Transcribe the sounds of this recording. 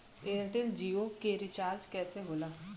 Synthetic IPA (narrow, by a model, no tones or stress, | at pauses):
eːlʈeld͡ʒiːoːkeːɾɪt͡ʃaːɾd͡ʒkɛːsẽːboːlaː